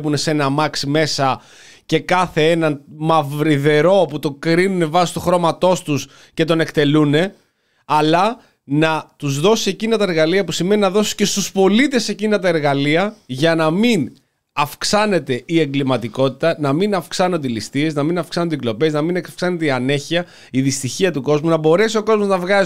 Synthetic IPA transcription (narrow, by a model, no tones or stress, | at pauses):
pune̞se̞nɐmɐksime̞sɐ | ce̞kɐθe̞enɐnmɐvɾiðe̞ɾo̞put̪o̞kɾinune̞vɐsist̪uxɾo̞mɐt̪o̞st̪us | ce̞t̪o̞ne̞kt̪e̞lune̞ | ɐlɐ | nɐt̪uzðo̞sie̞cinɐt̪ɐɾɣɐliɐpusime̞ninɐðo̞si̥sce̞st̪uspo̞lit̪e̞se̞cinɐt̪ɐe̞ɾɣɐliɐʝɐnɐmin | ɐfksɐne̞t̪e̞ʔie̞ŋɡlimɐt̪iko̞t̪it̪ɐnɐminɐfksɐno̞nd̪eilist̪ie̞znɐminɐfksɐnod̪eiɡlo̞pe̞znɐminefksɐne̞t̪eiɐne̞çiɐ | iðist̪içiɐt̪uko̞zmunɐbo̞ɾe̞sio̞ko̞zmo̞znɐvɣɐ